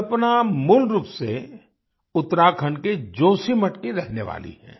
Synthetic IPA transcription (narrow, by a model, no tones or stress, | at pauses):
ɐpnamʊlɾuːpse | ʊt̪ːɾaːkʰəɳɖked͡ʒoːsimɐʈkiɾɛɦneʋa̰ːlḭɦɛ̰̃ː